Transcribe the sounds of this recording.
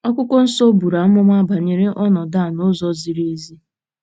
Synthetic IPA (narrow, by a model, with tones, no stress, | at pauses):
ɔ˦kʷʊ˦kɔ˦n̩˦sɔ˦bu˨ɾa˨m̩˦mʊ˦mʷ˦a˦ba˨ɲe˨ɾɪ˦ʔɔ˦nɔ˨da˦˨nʊ˦zɔ˦zi˨ɾe˦zi˦